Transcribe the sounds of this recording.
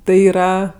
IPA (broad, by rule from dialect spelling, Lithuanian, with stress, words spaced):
ˈtɐɪ iːˈrɐ